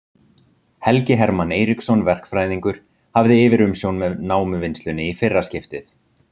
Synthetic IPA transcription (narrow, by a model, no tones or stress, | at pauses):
hɛlcɪɦɛɾmaneːjɾiksɔnvɛr̥kfɾaːjðiŋkʏɾ̥ | havðɪɪːvɪɾʏmsjownmɛnaːwmʏvɪnst̪ʏnːɪifɪrːascɪft̪ɪθ